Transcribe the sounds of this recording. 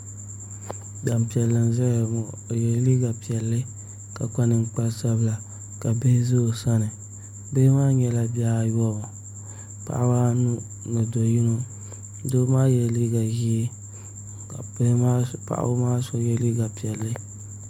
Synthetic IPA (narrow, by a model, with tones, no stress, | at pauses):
da˨m˨pi˨ɛ˨lːɨ˨n˦zɛ˦ɾmɔ˨jɛ˨lliː˦ɡa˨pi˨ɛ˨lːɨ˦ | ka˨k͡pa˦nɨ˨ŋ˦k͡pa˦lsa˦bɨ˦la˨ | ka˨be˦zo˦˨sa˦nɨ˨ | be˦maː˦ɲɛ˨la˦bja˦˨jɔ˦˨ɔ˨ | pa̰˨ʔa˦ba˦nu˦ | nɨ˨do˨ji˦no˦ | do˦maː˦jɛ˨lliː˦ɡa˨ʒi˦˨˦ | pa̰˦ʔa̰˦bo˦maː˦so˦jɛ˦liː˦ɡa˨pi˨ɛ˨lːɨ˦